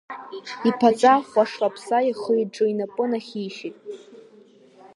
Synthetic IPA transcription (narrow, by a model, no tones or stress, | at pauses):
ipʰat͡sʼaχʷaʂapʰsaiχəjʈ͡ʂʼɨinapʼɨnaχʲiʃitʼ